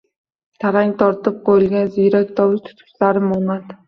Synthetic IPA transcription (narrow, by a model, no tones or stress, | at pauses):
t̪ʰaɾaŋʲt̪ʰɒɾt̪ɨp̚qʰojɪlˠɡʲanzijɾak̚ʲt̪ʰɒlɪt̪ʰʊ̥t̪kʊ̥slaɾɪmʊnat̪